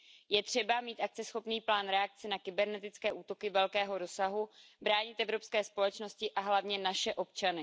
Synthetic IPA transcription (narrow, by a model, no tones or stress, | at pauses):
jɛt̪r̝̥ɛbamiːt̪ʔak̚t͡sɛsxo̞pniːplaːnɾɛak̚t͡sɪnakɪbɛɾnɛt̪ɪt͡skɛːʔuːt̪o̞kɪvɛlkɛːɦo̞ɾo̞saɦubɾaːɲɪt̪ʔɛvɾo̞pskɛːspo̞lɛt͡ʃno̞scɪʔaɦlavɲɛnaʃɛʔo̞p̚t͡ʃanɪ